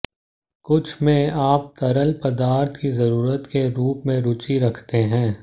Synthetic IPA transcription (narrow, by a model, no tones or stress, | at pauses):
kʊt͡ʃʰmẽaːp̚t̪ɐɾəlpɐd̪aːɾt̪ʰkizɐɾuːɾət̪keɾuːpmẽɾʊt͡ʃiɾɐkʰt̪eɦɛ̃ː